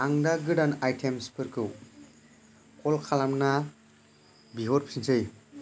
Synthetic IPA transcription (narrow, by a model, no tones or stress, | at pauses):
aŋdaɡɯdanajtʰemspʰɯɾkʰɯw | kʰɔlkʰalamna | biɦɔɾpʰi̥sinsʰɯj